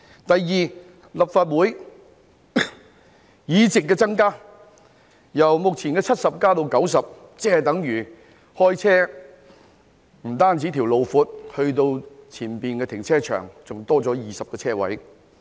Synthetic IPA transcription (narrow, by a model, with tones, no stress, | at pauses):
t̪ɐ˨jːiː˨ | lɐ˨p̚faː˧t̚wuː˨˥j | jiː˨˥t͡sɪ˨k̬ːɛː˧t͡sɐ˥ŋkaː˥ | jɐ˨˩wmʊ˨k̚t͡sʰiː˨˩nkɛː˧t͡sʰɐ˥t̚sɐ˨p̚kaː˥t̪o˧wkɐ˨˥ws̬ɐ˨p̚t͡sɛː˥˨t̪ɐ˨˥ŋjyː˨˩ | hɔː˥jt͡sʰɛː˥ | m̩˨˩t̪aː˥nt͡siː˨˥t̪ʰiː˨˩wlo˨wfuː˨˥t̚hɵ˧ɥt̪o˧wt͡sʰiː˨˩npiː˨nkɛː˧t̪ʰɪ˨˩ŋt͡sʰɛː˥t͡ʃʰœ̰ː˨˩ŋt͡sʊ˨˩ŋt̪ɔː˥t͡sɔː˨˥jiː˨˩sɐ˨p̚kɔː˧t͡sʰɛː˥wɐ̰˨˥j